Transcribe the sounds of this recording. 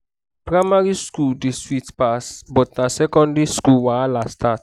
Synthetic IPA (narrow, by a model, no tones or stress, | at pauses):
pɹaɪmaɾiskuldeswitpasbɔtnasɛkɔ̃ndiskulwãlastʰat